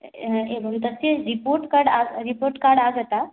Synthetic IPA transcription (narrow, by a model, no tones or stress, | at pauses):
eʋənt̪əseɾipoɾʈkaɾɽaɾipoɾʈkaɾɽaɡət̪a